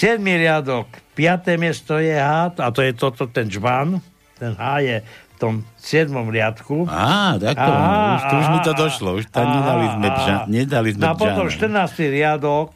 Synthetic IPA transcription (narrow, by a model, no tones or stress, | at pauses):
sɪɛd̪miɾɪad̪ɔkpɪat̪ɛmɪɛst̪ɔjɛɦaːt̪at̪ɔjɛt̪ɔt̪ɔt̪ɛnd͡ʒban | t̪ɛnɦajɛft̪ɔmsɪɛd̪mɔmɾɪat̪kuat̪akɔauʃɔuʒmit̪ɔd̪ɔʃlɔuʃt̪aɲɛd̪alizmɛʒaɲɛd̪alizmapɔt̪ɔmʃt̪ərnaːst̪iɾɪad̪ɔk